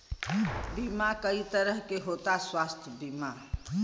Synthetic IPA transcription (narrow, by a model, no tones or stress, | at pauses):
bimakəit̪əɾəɦkeɦot̪aswast̪ʰjəbima